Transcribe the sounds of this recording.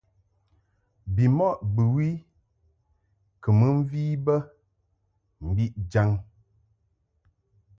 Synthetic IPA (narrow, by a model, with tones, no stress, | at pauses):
bi˨mɔ˦ʔbə˨wi˦ | kə˨mə˦m̩˦viː˦bə˦ | m̩˨bi˦ʔd͡ʒa˦ŋ